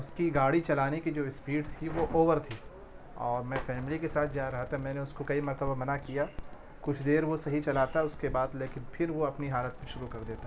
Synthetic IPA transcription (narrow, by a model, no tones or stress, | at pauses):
ʊskiɡaːɽit͡ʃɐlaːnekid͡ʒoːɪspiːɖt̪ʰiʋoʔoːʋəɾt̪ʰiː | ɔːɾmɛ̃ːfɛːmlikesaːt̪̚ʰd͡ʒaːɾɐɦat̪amɛ̃ːneʊskokɐimɐɾt̪əbamɐnakija | kʊt͡ʃʰd̪eːɾʋosɐɦit͡ʃɐlaːt̪aʊskebaːd̪leːkɪnpʰɪɾʋoɐpniɦaːlət̪mẽʃʊɾukɐɾd̪eːt̪a